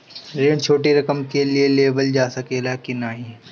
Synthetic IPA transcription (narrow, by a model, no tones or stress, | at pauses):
ɾẽːɳt͡ʃʰoːʈiɾɐkəmkelieleːbəld͡ʒaːsɐkelakinaːɦi